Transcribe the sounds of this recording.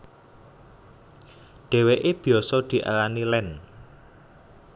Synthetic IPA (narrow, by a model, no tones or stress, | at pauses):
ɖ̥ɛ̤weʔeb̥i̤ɔsɔd̪̥i̤ʔa̰lanilɛn